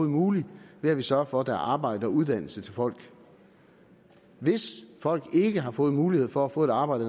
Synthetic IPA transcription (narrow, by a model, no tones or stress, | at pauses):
ð̩ˠmuːliʋe̝æʋisɶɐfɒ̽d̥æɐɑ̈ːb̥ɑ̈ɪ̰d̥əɒuð̞ˠd̥æn̰l̩sət͡sʰe̝lfɒ̽l̰ɡ̥ | ʋe̝sfɒ̽l̰ɡ̥e̝ɡ̥əɦɑ̈fɔ̽ːð̩ˠmuːlihe̝ð̞̰ˠfɒ̽æfɔ̰̽e̝d̥ɑ̈ːb̥ɑ̈ɪdə